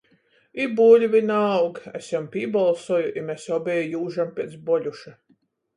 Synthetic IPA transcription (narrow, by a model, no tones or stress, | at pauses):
ibuːlʲvʲinawɡæ̰sɔmpʲiɛbalˠsɔjuʔimʲɛsɔbʲɛjjuːʒampʲiɛt̪sbɔlʲuʃa